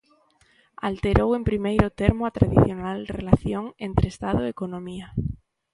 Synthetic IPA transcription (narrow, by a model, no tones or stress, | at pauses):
a̰lt̪e̞ɾowe̞mpɾimejɾot̪eɾmoat̪ɾaðiθjo̞nalrelaθjoŋent̪ɾest̪aðoekonõmia